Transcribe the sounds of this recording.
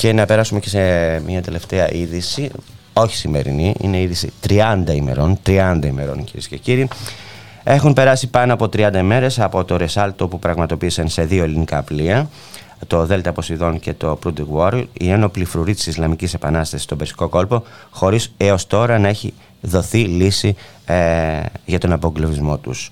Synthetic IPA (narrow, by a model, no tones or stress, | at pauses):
ce̞nɐpe̞ɾɐsumece̞semɲɐt̪e̞le̞ft̪e̞ɐʔiðisi | o̞çi̥sime̞ɾḭniḭne̞iðisit̪ɾiɐnd̪ɐime̞̰ɾo̞nt̪ɾiɐnd̪ɐime̞ɾo̞nciɾḭsce̞ciɾiː | e̞xumpe̞ɾɐsipɐnoɐpo̞t̪ɾiɐnd̪ɐime̞ɾe̞sɐpo̞t̪o̞ɾe̞sɐlt̪o̞pupɾɐɣmɐt̪o̞piːsɐnse̞ðio̞elinikɐːpliɐ | t̪o̞ðe̞lt̪ɐpo̞siðo̞nce̞t̪o̞pɾud̪ikwoɾḭneno̞plifɾuɾit̪i̥sislɐmicise̞pɐnɐst̪ɐsi̥st̪o̞besi̥ko̞ko̞lpo̞ | xo̞ɾise̞o̞st̪o̞ɾɐnɐeçi | ðo̞θilisi | ʝɐt̪o̞nɐpoɡlovizmo̞t̪us